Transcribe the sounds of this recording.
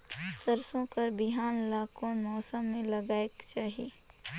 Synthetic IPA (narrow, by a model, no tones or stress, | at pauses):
səɾsõkəɾbɪɦaːnlaːkõmɔːsəmːẽlɐɡaːekt͡ʃaːɦie